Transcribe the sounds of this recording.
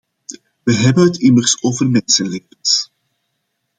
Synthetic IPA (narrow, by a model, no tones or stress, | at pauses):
ʋəɦɛbənɦətʰimərsoːvərmɛnsəleːpəns